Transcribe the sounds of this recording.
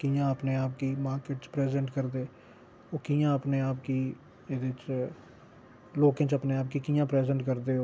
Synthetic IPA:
kijãːəpneːaːp̚kiːmaːɾkeːʈt͡ʃpɾɛːzɛ̃ːɳʈkəɾd̪eː | oːkiːjãːəpneːaːpkiː | eːd̪ɪt͡ʃ | loːkãːt͡ʃəpneːaːp̚kiːkiːjãːpɾɛːzɛ̃ːɳʈkəɾd̪eːo

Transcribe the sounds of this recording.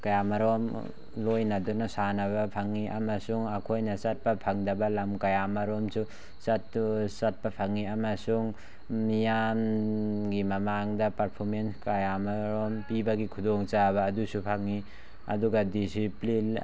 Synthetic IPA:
kajamaɾom | lojnadunasanaβɐpʰaŋiʔa̰mɐsuŋakʰojnɐsɐt̚pɐpʰaŋdɐbɐlɐmkɐjamaɾomsu | satsɐt̚pɐpʰaŋiamasuŋ | mijamɡimɐmaŋdɐpaɾpʰoɾmenskajamaɾompibɐɡikʰudɔŋt͡ʃabɐːdusupʰaŋːi | ɐ̰duɡadisiplin

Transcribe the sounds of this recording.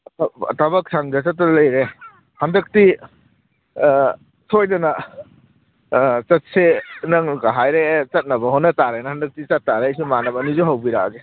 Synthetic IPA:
ttʰabɐk̚sʰaŋdɐsɐtːɐlɐjɾe | hɐndɐk̚ti | sʰojdɐna | t͡ʃɐt̚senɐŋɡaɦajɾet͡ʃɐt̚nɐbɐɦɔnːɐtaɾenɐhɐndɐk̚tit͡ʃɐt̚ːaɾejsimanɐbɐnizɔɦawbiɾaɡe

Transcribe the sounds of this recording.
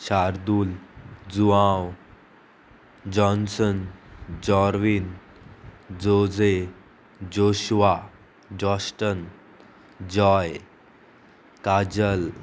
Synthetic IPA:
ɕaɾd̪uːld͡zuãw | d͡ʑɔnsənd͡ʑɔɾʋin | d͡zod͡ze | d͡ʑoɕʋa | d͡ʑɔsʈən | d͡ʑɔj | kad͡ʑəl

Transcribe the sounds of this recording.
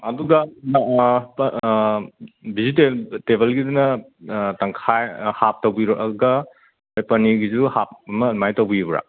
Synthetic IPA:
ɐduɡɐ | p | bizitetebɐlɡidunɐ | tɐŋkʰajhap̚tɐwbiɾɔʔɐɡɐ | ajpɐniɡizuhap̚ɐmɐmajtɐwbibɾa̰

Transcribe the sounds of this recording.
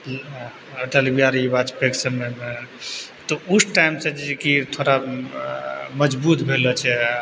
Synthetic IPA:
əʈelibijaɾibad͡ʒpeksəmeme | t̪ɔusʈajmsẽd͡ʒikit̪ʰoɾa | məd͡ʒbut̪bʱelɔt͡ʃʰɛ

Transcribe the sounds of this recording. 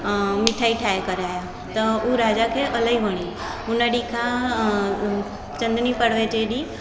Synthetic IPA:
mɪʈʰaːiʈʰaːjkəɾaːja | t̪ɐuɾaːd͡ʒakʰeʔəlaiʋəɽ̃i | ʊnaɖikʰã | t͡ʃə̃nd̪nipəɽʋet͡ʃeɗi

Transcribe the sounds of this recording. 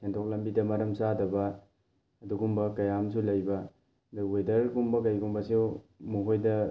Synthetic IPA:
sʰentʰok̚lɐmbidɐmɐɾɐmsadɐbɐ | ɐduɡumbɐkɐjams̬ulɐjbɐ | dawejdɐɾɡumbɐkɐjɡumbɐsewmuɦojdɐ

